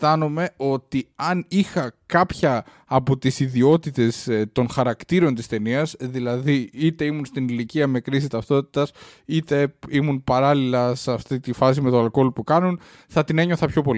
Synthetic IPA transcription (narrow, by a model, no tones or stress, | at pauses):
t̪ɐnome̞o̞t̪iɐnixɐkɐpçɐː | po̞t̪isiðio̞t̪it̪e̞st̪o̞nxɐɾɐkt̪iɾo̞nt̪ist̪e̞niɐsðilɐðiit̪e̞imunst̪iniliciɐme̞kɾis̬it̪ɐft̪o̞t̪i̥t̪ɐsit̪e̞imunpɐɾɐlilɐsɐft̪it̪ifɐs̬ime̞t̪oɐlko̞lpukɐnun | θɐt̪ine̞ɲo̞θɐpço̞pol